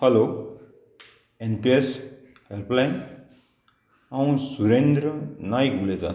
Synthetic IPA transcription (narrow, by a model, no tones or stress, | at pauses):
pʰʌlo | enpies | helplajn | aw̃suɾend̪ɾʌnajkuled͡za̰